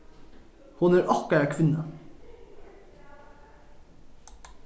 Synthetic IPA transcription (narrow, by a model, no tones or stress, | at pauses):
hʊnæːɾʔɑkəækʰʋɪnə